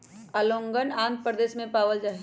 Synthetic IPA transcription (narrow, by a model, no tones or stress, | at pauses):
ɐlõːŋɡənãːnt̪̚pɾəd̪eːsmẽpaːʋəld͡ʒaːɦ